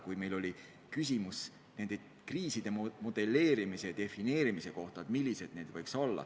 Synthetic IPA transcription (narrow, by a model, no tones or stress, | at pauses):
kujme̞jlo̞lʲi | kys̬ʲimus | ne̞nd̪e | kriːsid̪̥e̞mo̞d̪̥e̞lːe̞ːɾimise̞d̪̥e̞fine̞ːɾimise̞ko̞ht̪ɑt̪milʲːise̞d̪̥̚ne̞ːd̪̥vɤjkso̞lːɑ̰